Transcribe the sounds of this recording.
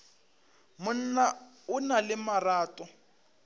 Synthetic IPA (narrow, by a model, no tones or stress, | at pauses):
mʊn̩na | ʊnalɪmaraːtʼɔ